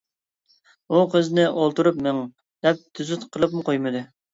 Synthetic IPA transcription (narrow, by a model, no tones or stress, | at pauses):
uqʰəznɪʔolˠt̪uɾupmɛŋ | d̪̥ɛp̚t̪ʰyzyt̪qʰəlˠɨp̚mɨqʰojmɨd̪ɨ